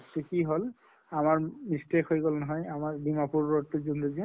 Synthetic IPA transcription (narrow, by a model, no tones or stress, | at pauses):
t̪ekiɦol | amaɹmistekɦojɡolnɔɦɔjamaɹbimapuɹɔt̪ːuzunduzi